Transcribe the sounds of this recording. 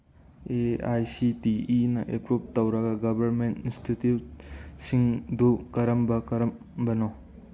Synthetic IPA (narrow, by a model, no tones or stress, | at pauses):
eajsitiːnɐʔepɾup̚tɐwɾɐɡɐɡɐbʱɐɾmentinstʰititsiŋdukɐɾɐmbɐkɐɾɐm | bɐno